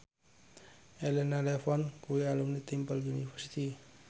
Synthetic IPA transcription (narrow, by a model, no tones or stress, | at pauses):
ɛlɛnalɛfɔnkuwialumnit̪impəlunifɛrsit̪i